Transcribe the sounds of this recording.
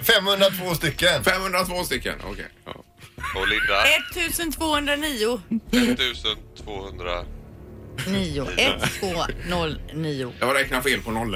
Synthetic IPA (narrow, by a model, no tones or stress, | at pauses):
fɛmhɵnd̪ɾat̪ʰvoːst̪ʏkːənfɛmhɵnd̪ɾat̪ʰvoːst̪ʏkːə̰nɔ̰kʰɛ̰j̰ | ɔlɪd̪aɛt̪ʰːʉ̟ːsənt̪ʰvoːhɵnd̪ɾaniːʊɛʉ̟ːsənt̪ʰvoːhɵnd̪ɾa̰ | niːʊʔɛt̪ːvoːnɔlːniːʊjɑɾɛknafeːlpʰɔnɔlː